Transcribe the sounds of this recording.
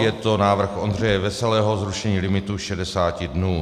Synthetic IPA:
jɛt̪onaːvr̩xʔond̪r̝ɛjɛvɛsɛlɛːɦozɾuʃɛɲiːlɪmɪt̪uʃɛdɛsaːcɪdnuː

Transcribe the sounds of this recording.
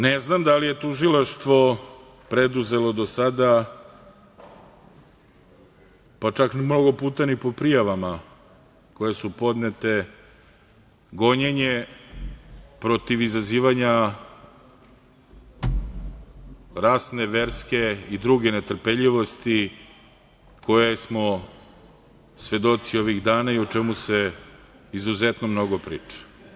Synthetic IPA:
neznamd̪alije̞t̪uʒilaʃt̪ʋo̞ | pɾe̞d̪uze̞lo̞d̪osad̪a | pat͡ʂakmno̞ɡo̞puːt̪anipo̞pɾijaʋama | ko̞je̞supo̞d̪net̪e̞ | ɡo̞ɲeɲe̞ | pɾo̞t̪iʋizaziːʋaɲa | ɾaːsne̞ʋeɾske̞id̪ɾuɡe̞net̪r̩peʎiʋo̞st̪i | ko̞jesmo̞ | sʋe̞d̪o̞t̪sio̞ʋiɣd̪aːnaiot͡ʃɛmuse | izuzet̪nomno̞ɡopɾḭːt͡ʂḁ

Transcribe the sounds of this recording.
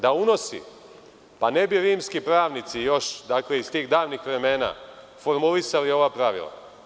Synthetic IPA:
d̪auno̞sḭ | pane̞biɾiːmskipɾaːʋnit̪sijo̞ʃd̪aːkle̞ist̪iːɣd̪aːʋnixʋɾe̞me̞ːna̰ | fo̞ɾmulisalio̞ʋapɾaʋḭlˠa̰

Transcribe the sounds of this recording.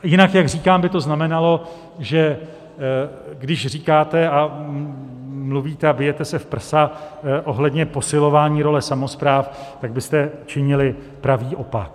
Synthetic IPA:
jɪnakjaɡriːkaːmbɪt̪o̞znamɛnalo̞ | ʒɛ | ɡdɪʃriːkaːt̪ɛa | mluviːt̪ɛabɪjɛt̪ɛsɛfpr̩saʔo̞ɦlɛdɲɛpo̞sɪlo̞vaːɲiːɾo̞lɛsamo̞spɾaːft̪aɡbɪst̪ɛt͡ʃɪɲɪlɪ | pɾaviːʔo̞pa̰k

